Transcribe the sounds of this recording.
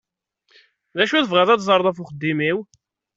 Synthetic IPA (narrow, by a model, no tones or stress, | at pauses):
ðæʃuθəvʁæðˤɑt̪zˤɑɾˤðˤæfuχəd̪ːimiw